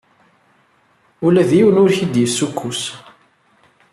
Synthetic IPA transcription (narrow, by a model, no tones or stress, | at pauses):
ʊlæðjiwənʊɾçid̪jəsːukʰːus